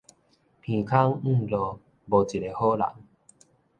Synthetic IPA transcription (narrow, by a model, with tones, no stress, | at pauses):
pʰĩ˨kʰa˦ŋ̩̃˥˧˨lo˨˩ | bo˨˩t͡ɕi˨˩ɾe˨˩ho˦la̰˨˦ŋ